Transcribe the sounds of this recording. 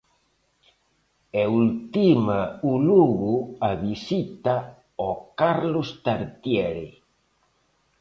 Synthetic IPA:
ɛult̪imauluɣuaβisit̪a | ɔkaɾlost̪aɾt̪jɛɾḛ

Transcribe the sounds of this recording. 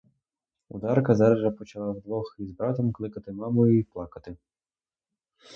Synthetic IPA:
ṵd̪ɑrkɐzɑɾʒɐpɔt͡ʃɐlˠɑwd̪ʋɔxizbɾɑt̪ɔmklˠɪkɐt̪ɪmɑmɔjʊiplˠɑkɐt̪ɪ

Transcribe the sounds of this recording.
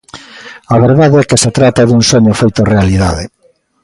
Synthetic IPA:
aβeɾðaðeɛkeset̪ɾat̪aðuŋsoɲofejt̪orealiðaðe

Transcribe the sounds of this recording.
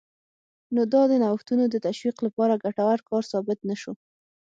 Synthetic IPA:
nod̪ɑd̪ənawxt̪unod̪ət̪aʃwiqlapɑɾaɡaʈawaɾkɑɾsɑbɪt̪naʃo

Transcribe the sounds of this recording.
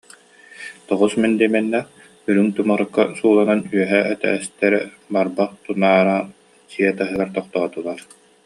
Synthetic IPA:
t̪ɔʁusmɛnd̪imɛnːɛ | yɾynt̪umaɾɯkːasuːlˠananyœɦɛʔɛt̪ɛ̰ːst̪ɛɾɛ̰ | baɾbaq̚t̪unaːɾaː | siɛt̪aɦɯɡaɾt̪ɔqt̪ɔːt̪ulˠaːɾ

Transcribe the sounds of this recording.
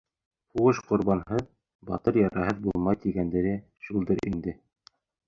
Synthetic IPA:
huʁɤʃqŏɾbɑnɦɤð | bɑ̰t̪ɤɾjɑɾɑɦɤðbulˠmɑjt̪iɡænd̪ɘ̆ɾɘ | ʃulˠd̪ɤɾʔind̪ɘ

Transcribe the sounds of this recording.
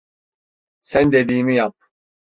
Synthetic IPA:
sænd̪ed̪iːmijap̚

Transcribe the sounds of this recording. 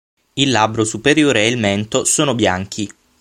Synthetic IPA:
ilːabɾosupeɾjoːɾeːilmɛnt̪osoːnobjaŋk̟ʰi

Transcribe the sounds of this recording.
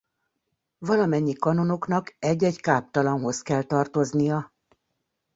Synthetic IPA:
vɒlɒmɛɲːikɒno̞no̞knɒkɛɟːɛɟkaːp̚t̪ɒlɒnɦo̞skɛlt̪ɒrt̪o̞znijɒ

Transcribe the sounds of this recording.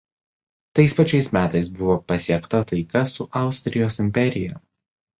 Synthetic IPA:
t̪ɐɪspɐt͡ʃʲɛɪsmʲæːt̪ɐɪsbʊʋoːpɐsʲiɛkt̪ɐt̪ɐɪkɐsʊʔɑˑʊsʲt̪ʲɾʲɪjoːsɪmʲpʲɛɾʲɪjɛ

